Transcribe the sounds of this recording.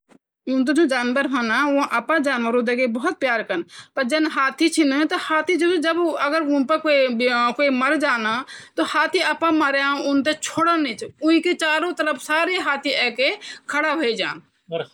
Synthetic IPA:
ũnt̪̬ed͡ʒõːd͡ʒaːnʋəɾbʱənaũʔəpãd͡ʒaːnʋəɾõd̪eɡebəɦʊt̪̚pjaːɾkənpɐɾd͡ʒɐnɦaːt̪ʰit͡ʃʰint̪ohaːt̪ʰid͡ʒod͡ʒəbɐɡəɾʊnpəkoikoːiməɾd͡ʒaːnat̪ohaːt̪ʰiəpãməɾeãʊnt̪et͡ʃʰoːɽənit͡ʃʰʊĩkit͡ʃaːɾõt̪əɾəpʰsaːɾeɦaːt̪ʰiɛːkekʰəɽabʱəid͡ʒa̰ːn

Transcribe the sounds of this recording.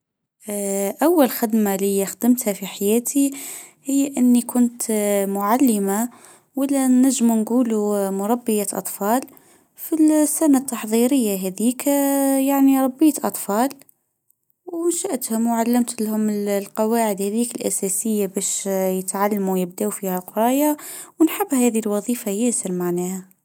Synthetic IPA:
ʔawːalxɪd̪malixd̪əmt̪hafiħajæːt̪ʰi | hɪjːaʔənːikʰʊnt̪mʊʕalːɪma | walːanaʒːmunɡuːlumʊɾˤɑbːəjaʔɑ̰t̪ˤfɑːl | filsːanat̪ːɑħðˤiɾəjːaɦæðiːkjaʕniɾˤɑbːijːat̪ʔɑt̪ˤfɑːl | wnʃaʔt̪hʊmwʕalːamt̪lhʊmɪllqɑwaːʕəd̪hæðiːkəlʔæ̰sæsəjːabæːʃjət̪ʕalːmujəbd̪æwfiːhaqɾˤɑːjawnħɪbːhæːðilwɑðˤiːfajæsəɾmaʕnæha

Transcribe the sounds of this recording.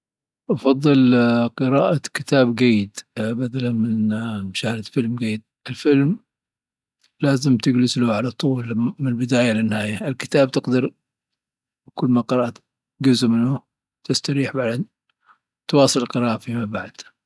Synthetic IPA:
ʔɑfɑðˤːɨlqɨɾaːʔakɪt̪ʰaːbɡajːɪd̪bad̪alanmɪnʃahlat̪fɪlmɡajːɪd̪̚ɪlfɪlm | laːzɪmt̪ɪɡlɪslʊʕalat̪ˤuːlmɪnlbɪd̪aːjalɪnːɪhaːjaɪlkɪ̥t̪aːb̚t̪ɪqd̪ɑɾ | kʊlːmaqɨɾˤɑʔat̪ | ɡʊzmɪnːʊ | t̪ɪst̪aɾiːħbaʕd̪an | t̪wɑːsˤɨllqɨɾɑːʔafimabaʕd̪̥

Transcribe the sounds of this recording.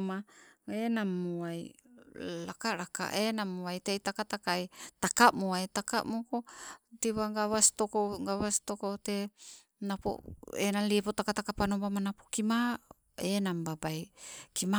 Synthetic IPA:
maenamːuaj | lakaɾaka̰ʔenamuajteitakatakajtakamuajtaka̰ʔmukotiβaɡaβastokoɡaβastokote | napo̰enaliepotakatakapanobamanapokima | enambabajkima

